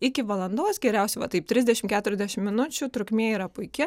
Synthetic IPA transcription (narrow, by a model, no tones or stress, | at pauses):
ɪkʲɪʋɐlˠɐnd̪oːsɡʲɛɾʲɛʊsʲɛɪʋɐt̪ɐɪp̚t̪ʲɾʲɪzʲd̪ʲɛʃʲɪmkʲæːt̪ʊɾʲɛzʲd̪ʲɛæʃʲɪmmʲɪnʊt͡ʃʲʊt̪ɾʊkmʲeːiːɾɐpʊɪkʲɪ